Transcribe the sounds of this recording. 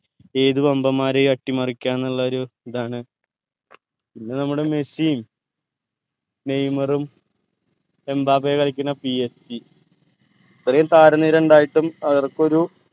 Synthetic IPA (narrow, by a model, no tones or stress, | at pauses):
e̞ːðubɐmbɐmːaːɾekɐʈːimɐrikʲːaːnːɐɭːɐoɾuiðaːɳɨ | pinːe̞nɐmːuɽeme̞siːm | ne̞jmɐrum | e̞mbaːpekɐɭikʲːunːɐpiesti | ɐt̪ːrɐjumt̪aːɾɐnːiːɾɐuɳɖaːjiʈːumɐðɐrko̞ɾu